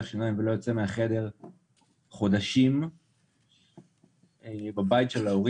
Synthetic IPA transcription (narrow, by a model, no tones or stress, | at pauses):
aʃinajmvelo̞jot͡semeaχe̞de̞ʁ | χo̞daʃim | ebabajitʃelaoʁi